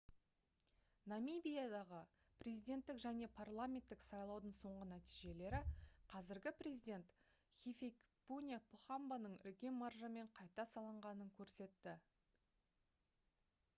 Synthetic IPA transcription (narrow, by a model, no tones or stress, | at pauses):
namibijad̪ɑʁə | prʲe̞zijd̪ʲe̞nt̪ːɪkʒæne̞pʰarlˠamʲe̞nt̪ːɪksɑjlˠɑwd̪əɴso̞ɴʁənæt̪ijʒe̞le̞ɾɪqʰɑzɪɾɡʲɪprʲe̞zijd̪ʲe̞nt̪ | χʲifʲek | punʲapʰuχambanəɴʏ̰lkʲe̞nmarʒəme̞ɴqʰɑjt̪ɑsɑlˠəɴʁɑnəŋkʲʰɵɾse̞t̪ːɪ